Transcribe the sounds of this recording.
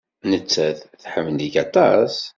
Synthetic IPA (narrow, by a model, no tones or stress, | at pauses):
nət͡sːæθθħəmniɡɑt̪ˤɑs